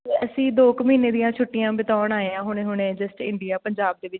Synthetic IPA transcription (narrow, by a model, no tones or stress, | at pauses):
t̪eːəsĩːd̪oːkməiːneːd̪ijãːt͡ʃʰʊʈːijãːbɪt̪aːɳaːẽãːɦʊɽeːɦʊɳ̃ẽːd͡ʒəsʈɪ̰ɳɖijaːpəɲd͡ʒaːb̚d̪eːʋɪt͡ʃ